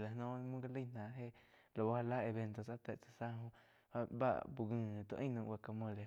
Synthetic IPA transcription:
la˨nõ˦˧mũ˦ɡa˦˧lə˦˨nã˨ʔɦe˦ | lo˨ba˦ha˧la˦e˧˨βe˧nt̪o˧˨sa˦t̪e˨ʔt͡sḁ˧sa˦ɦõ˦ | a˧ba̰˦ʔbu˧ɡɨ̃˧˨t̪õ̰˧ʔĩ˦nũː˧ʔwa˧ka˧mõ˧˨le˨

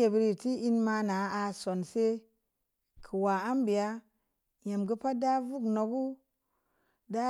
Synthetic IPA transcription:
e˨bi˦ɾi˨ti˦i˦nma˧na˨˦a˧so˨nse˦ | kʰə˨wa˨a˦mbi˨ja˦ | je˨mɡə˦pa˦da˦vu˦kno˨ɡu˦ | da˦

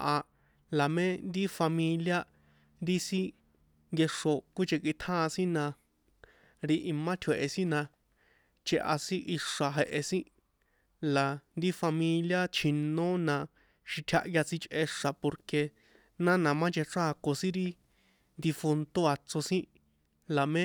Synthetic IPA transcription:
ʔa˧ | la˨mẽ˦nd̪i˦fa˧mĩ˧lja˦ | nd̪i˦sĩ˦ | ŋɡe˧ʂo˨kʷi˦t͡ʃe˧kʷi˧t̪ʰãː˦˧sĩ˦nã˧ | ɾi˧ʔi˨mã˦t̪ʰwe˨ʔe˧sĩ˦nã˧ | t͡ʃe˧ʔa̰˧sĩ˦ʔi˧ʂa˨ɦe˧ʔe˧sĩ˦ | la˨nd̪i˦fa˧mĩ˧lja˦t͡ʃʰĩ˨nõ˦nã˧ | ʃi˧t̪ʲʰa̰˧ʔja˧t͡si˧t͡ʃʔe˧ʂa˨po˧ɾke˧ | nã˦nã˧mã˦t͡ʃe˧ʈ͡ʂaː˦˧ko˧sĩ˦ɾi˦ | nd̪i˧fu˧nt̪o˦a˧t͡so˧sĩ˦ | la˨mẽ˦

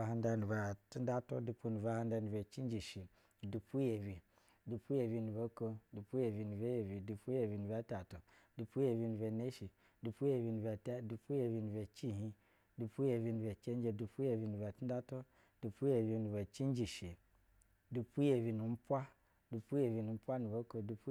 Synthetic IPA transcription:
a˨ɦa˧nda˨nu˨va˨ti˦n˦da˦to̰˦du˨pu˦nu˨va˨ha˦n˦da˧nu˨ba˨t͡ʃi˦n˦d͡ʒi˨ʃi˨ | du˨pu˦je˨vi˨ | du˨pu˦je˨vi˨˧nu˨ba˦ko˦du˨pu˦je˨vi˨nu˨be˦je˨vi˨du˨pu˦je˨vi˨nu˨ba˦ta˨to˨ | du˨pu˦je˨vi˧nu˨be˨ne˦ʃi˨ | du˨pu˦je˨vi˨nu˨va˨ta˦du˨pu˦je˨vi˨nu˨ve˨t͡ʃi˦˨ɦĩ˦ | du˨pu˦je˨vi˨nu˨e˨t͡ʃe˦n˦d͡ʒe˦du˨pu˦je˨vi˨nu˨va˨ti˦n˦a˦to˦ | d̥u˨pu˦je˨vi˨nu˨ve˨t͡ʃi˦n˦d͡ʒi˨ʃi˨ | du˨pu˦je˨vi˨nu˨m̩˦pʷa˦ | du˨pu˦je˨vi˨nu˨m̩˦pʷa˦nu˨vo˨˦ko˦du˨p

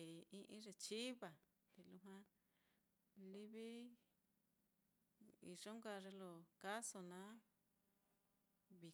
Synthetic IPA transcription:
e˨ĩ˧˦ʔĩ˦ʐe˧t͡ʃi˦βa˨ | t̪e˨lu˧ɦã˦ | li˦βi˦ | ḭ˨ʐo˦ŋka˧ʐe˧lo˧˨ka˦so˧nã˨˦ | βi˨

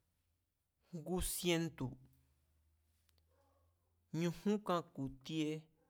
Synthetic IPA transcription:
ɡu˦sje˧nt̪u˨ | ɲũ˧hũ˦kã˦ku˨t̪i˦e˦

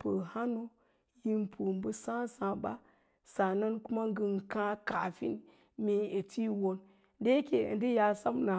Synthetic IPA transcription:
pə˨ha˦no˦ | ji˦mpu˨mbə˦sã˦sã˨ba˦ | sa˨na˦nku˦ma˦ŋ˦ɡə˨n˨kã˦ka˨fḭ˦n | mi˨˦e˨ti˦wo˨n | de˦kḛ˨ndi˦ja˨sa˦mna˨

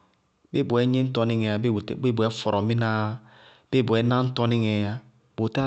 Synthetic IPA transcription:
be˦˨bu˨e˨˦ɲi˦n̩˦to˦ni˦ŋe˨a˨bbe˦bu˨ɛ˦fɔ˨ɾo˨mi˦na˦ | b̥e˦˨bu˨ɛ˨˦na˦n̩˦to˦ni˦ŋe˨ja˦ | bo˨ta˦

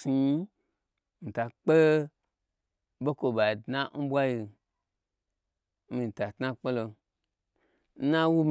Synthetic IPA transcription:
si˧˦ | n̩˨ta˨k͡pe˦ | bo˦ko˧ba˨dnã˦m̩˦bʷwa˦ji˧˦ | mi˨˧n̩˨ta˨tna˦k͡pe˦lo˧ | n̩˦nã˦wu˦m

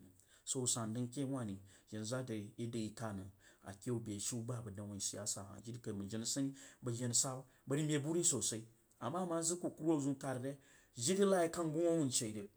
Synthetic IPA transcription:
so˨u˨sa˨n˨dɨ˦n˦kʲe˦wʷa˦˨ni˨ʒi˨n˨za˦də˨i˦də˨i˦ka˦˨nə˨a̰˨kʲe˦u˨be˨ʃi˦u˦ba˦˨bə˨da˨wu˨si˨ja˦sa˨a̰˨d͡ʒi˦di˦ka˨mə˨d͡ʒi˦n˨sa˦ni˦bə˨ʒi˨n˨sa˦ | bɐ˨ɾi˦mʲe˨bu˦ɾi˦so˨sa˨i˦ | a˨mːa˦ma˦zi˦ku˨ku˦ɾo˦˨zu˦n˦ka˦ɾde˦ | ʒi˦di˦la˦ji˦ka˦n˦ɡu˦ŋo˦wu˦n˨t͡ʃe˨de˨

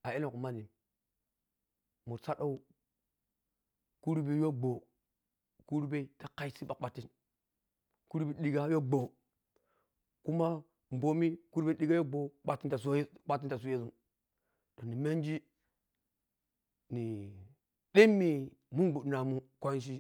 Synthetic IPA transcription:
a˨e˦no˨ku˨ma˦ni˨m | mu˨ɾsa˦ɗo˦u˦ | ku˦ɾbi˦jo˦ɡ͡bo˨ | ku˦ɾu˦be˦ta˦ka˦i˦si˦ɓa˨k͡pa˨tːi˦n | ku˦ɾu˦bi˦ɗi˨ɡa˦jo˦ɡ͡bo˨ | ku˦ma˦ | m̩˨bo˨mi˦ku˦ɾbe˦ɗi˦ɡa˦jo˦ɡ͡bo˨k͡pa˦tːi˦nta˨sk͡pa˦tːi˦nta˨s̬u˦e˦su˦ | d̥o˨nːi˨me˦n˦d͡ʒi˦ | ni˨ | ɗe˦mːi˨mu˦bu˨na˨mu˨kʷa˦n˦ʃ̬i˦

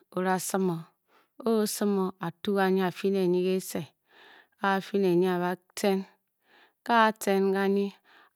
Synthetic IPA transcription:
o˨ɾa˨sɨ˦mo˨ | o˦sɨ˦mo˨a˨tu˦ka˨ɲi˦a˨fi˦ne˨ɲi˦ke˦se˨ | ka˦˨fi˦ne˨ɲi˦a˨βa˦ | te˦n | ka˦˨te˦nka˦ɲi˦

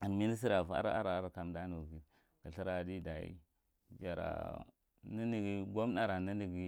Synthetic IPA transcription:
a˨n˨mi˦ni˦s̬i˦ɾa˨va̰˦ɾa˦a˦ɾa˨˦ɾa˨ka˨mda˦nu˨ɡi˦ | ɡə˨ɬi˦ɾa˨di˦da˨ḭ˦ | d͡ʒa˨ɾa̰˨ | nə˦ni˦˨ɡi˨ɡo˦m˦na˨ɾa˨nə˦ni˨ɡi˦

